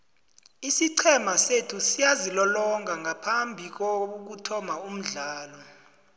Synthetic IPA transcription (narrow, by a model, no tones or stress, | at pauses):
isiǀʰɛmasetʰusijazilɔlɔŋʱaŋapʰambʱik̬ok̬utʰɔmaum̩ɮaːlɔ